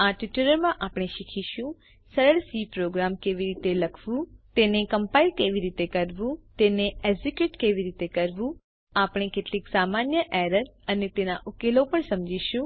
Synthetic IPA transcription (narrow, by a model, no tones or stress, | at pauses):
aʈiʈuɾəɾmãʔapɽ̃eʃikʰiʃũ | səɾəɭsipɾoɡɾamkeʋiɾit̪eləkʰʋũt̪enekəmpailkeʋiɾit̪ekəɾʋũt̪eneɛzikjuːʈkeʋiɾit̪ekəɾʋũ | apɽ̃ekeʈliːksaːmaːnjəʔɛɾəɾənet̪enaʔʊkelopəɳsəmd͡ʒiʃũ